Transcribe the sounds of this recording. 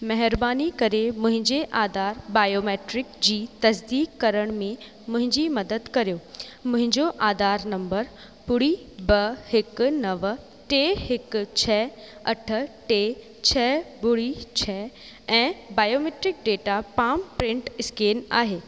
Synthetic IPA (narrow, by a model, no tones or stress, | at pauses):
mɐɦɪɾbaːnikɐɾemʊ̃ɦɪ̃ɲd͡ʑeʔaːd̪ʱaːɾbaːjoːmeːʈɾɪkd͡ʑiːt̪ɐsd̪iːkːɐɾəɽ̃mẽ | mʊ̃ɦɪ̃ɲd͡ʑimɐd̪əd̪kɐɾijoːmʊ̃ɦɪ̃ɲd͡ʑoʔaːd̪aːɾnɐ̃mbəɾ | pʊɽi | bɐhɪk̆nɐʋ | ʈeːɦɪkt͡ɕʰɛː | ɐʈʰə̆ʈeː | t͡ɕʰɛːbʊɽit͡ɕʰɛː | ɛ̃ːbaːjoːmeːʈɾɪk̚ɖeːʈapaːmpɾɪ̃ɳʈɪskeːna̰ːɦeː